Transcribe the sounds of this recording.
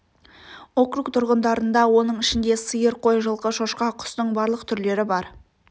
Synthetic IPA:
o̞kɾukt̪ʰʊɾʁənd̪ɑɾənd̪ɑwo̞nəɴɪʃɪnd̪e̞səjəɾqʰo̞jʒəlˠqəʃoʃqɑqʰʊ̥st̪əɴbɑɾlˠəqt̪ʰʏɾle̞ɾɪbɑɾ

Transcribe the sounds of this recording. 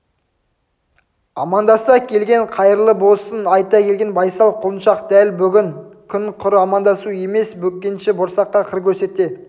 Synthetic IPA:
ɑ̰mɑnd̪ɑsɑkʲʰe̞lɡʲe̞ɴqʰɑjəɾlˠəbo̞sənɑjt̪ɑkʲʰe̞lɡʲe̞nbɑjsɑlˠqʰʊlˠənʃɑqd̪̥ælbʏɡʲɪŋkʲʰʏnqʰʊɾɑmɑnd̪ɑsue̞me̞sbɵkʲːenʃɪbʊɾsɑqːɑqʰəɾkʲʰɵɾse̞t̪ːe

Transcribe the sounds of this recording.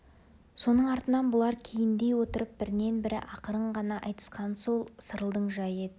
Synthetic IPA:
so̞nəɴɑɾt̪ənɑnbʊlˠɑɾkʲʰejɪnd̪e̞jwo̞t̪əɾəp̚bɪɾɪne̞nbɪɾɪ̰ʔɑqəɾəɴʁɑnɑʔɑjt̪ə̥sqɑnsolˠsəɾəlˠd̪əɴʒɑjed̪ɪ

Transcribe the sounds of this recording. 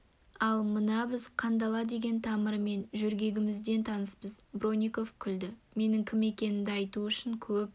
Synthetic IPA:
ɑlˠmənɑbɪzqʰɑnd̪ɑlˠɑd̪e̞ɡʲe̞nt̪ʰɑməɾme̞nʒʏɾɡʲe̞ɡʲɪmɪzd̪e̞nt̪ʰɑnəspəzbro̞nʲiko̞fkʲʰʏld̪ɪme̞nɪŋkʲʰɪme̞kʲe̞nɪmd̪ɪɑjt̪uʏʃɪŋkʲʰɵp̚

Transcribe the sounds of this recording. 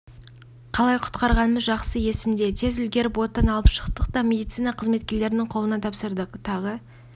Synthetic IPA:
qʰɑlˠɑjqʰʊ̥t̪qɑɾʁɑnəməzʒɑqsəje̞sɪmd̪e̞t̪ʰe̞zʏlɡʲe̞ɾɪpwo̞t̪ːɑnɑlˠəpʃə̥qt̪əqt̪ɑmʲe̞d̪ijt̪sijnɑqʰəzme̞t̪kʲe̞ɾle̞ɾɪnɪŋqʰolˠənɑt̪ʰɑpsəɾd̪əqt̪ʰɑʁə

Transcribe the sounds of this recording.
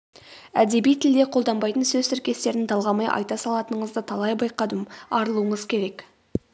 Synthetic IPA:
æd̪e̞bijt̪ʰɪld̪eqʰo̞lˠd̪ɑmbɑjt̪ənsɵzsɪɾkʲe̞st̪e̞ɾɪnd̪ɑlˠʁɑmɑjʔɑ̰jt̪ɑsɑlˠɑt̪ənəɴəzd̪ət̪ʰɑlˠɑjbɑjqɑd̪əmɑɾəlˠuəɴəzkʲʰe̞ɾe̞k

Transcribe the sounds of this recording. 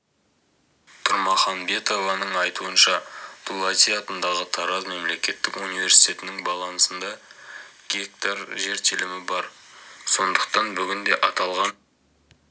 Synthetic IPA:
t̪ʰʊɾmɑχɑnbe̞t̪o̞vɑnəɴɑjt̪uənʃɑd̪̥ʰulˠat̪ijɑt̪ənd̪ɑʁət̪ʰɑɾɑzme̞mle̞kʲe̞t̪ːɪkunijvʲe̞ɾsijt̪ʰe̞t̪ɪnɪŋbɑlˠɑnsənd̪ɑ | ɡʲe̞k̚t̪ɑɾʒe̞ɾt̪ʰɪlɪmɪbɑɾso̞nd̪əq̚t̪ɑnbʏɡʲɪnd̪e̞ʔɑt̪ɑlˠʁɑn

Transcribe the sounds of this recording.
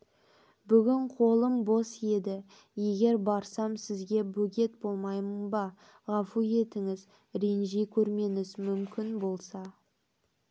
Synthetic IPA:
bʏɡʲɪɴqʰo̞lˠəmbo̞se̞d̪ɪ | je̞ɡʲe̞ɾbɑɾsɑmsɪzɡʲe̞bɵɡʲe̞t̪̚bo̞lˠmɑjmənbɑ | ʁɑfuje̞t̪ɪŋɪz | ɾe̞nʒejkʲʰɵɾme̞ŋɪzmʏmkʲɪnbo̞lˠsɑ

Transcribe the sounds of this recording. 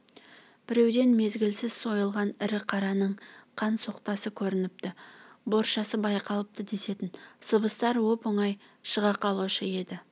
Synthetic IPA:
b̥ɪɾe̞wd̪e̞nme̞zɡʲɪlsɪz̥so̞jəlˠʁɑnɪɾɪqʰɑɾɑnəɴqʰɑnso̞qt̪ɑsəkʲʰɵɾɪnɪp̚t̪ɪbo̞ɾʃɑsəbɑjqɑlˠəp̚t̪əd̪e̞se̞t̪ɪnsəbəst̪ɑɾwo̞pəɴɑj | ʃəʁɑqɑlˠuʃəje̞d̪ɪ

